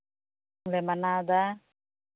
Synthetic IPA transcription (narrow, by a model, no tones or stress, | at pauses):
lɛmanad̪a